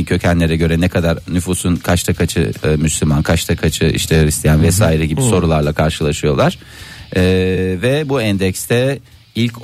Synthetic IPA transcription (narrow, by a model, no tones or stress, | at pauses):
cʰø̞cʰænlʲe̞ɾɛɟø̞ɾɛnɛkʰad̪aɾnyfusunkʰat͡ʃt̪ʰakʰat͡ʃʰɯ̰myslʲymankʰat͡ʃt̪ʰakʰat͡ʃʰɯḭʃt̪ʰɛɾist̪ʰijænvɛsaːiɾɛɟibiso̞ɾulˠaɾlˠakʰaɾʃɯlˠaʃɯjo̞lˠaɾ̥ː | vɛbuɛnd̪ɛcst̪ʰɛ | ilʲc